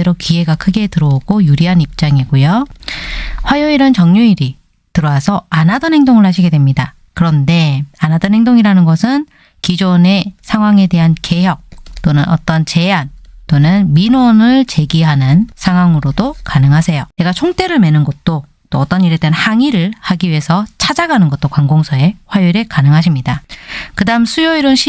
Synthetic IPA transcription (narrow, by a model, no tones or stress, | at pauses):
eɾokie̞ɡakʰɯɡe̞tɯɾʌoɡojuɾiɦanip̚t͡ɕ͈aŋiɡojo | ɸwajoiɾɯnt͡ɕʌŋɲuiɾi | tɯɾʌwasʰʌanadʌnɦhe̞ŋdoŋɯɭhaɕʰiɡe̞dwe̞mɲida | kɯɾʌnde̞anadʌnɦe̞ŋdoŋiɾanɯnɡʌsʰɯn | kid͡ʑone̞sʰaŋɦwaŋe̞de̞ɦanke̞jʌk̚t͈onɯnʔʌ̰t͈ʌnt͡ɕe̞ant͈onɯnminwʌnɯɭt͡ɕe̞ɡiɦanɯnsʰaŋɦwaŋɯɾodokanɯŋɦasʰe̞jone̞ɡat͡ɕʰoŋt͈e̞ɾɯɭme̞nɯnɡʌt̚t͈o | t͈oːt͈ʌɲiɾedeanhaŋiɾɯɭhaɡiɥiɦe̞sʰʌt͡ɕʰad͡ʑaɡanɯnɡʌt̚t͈okwaŋɡoŋsʰʌe̞ɸwajuɾekanɯŋɦaɕʰimɲidakɯdaɯmsʰujʌiɾonɕʰi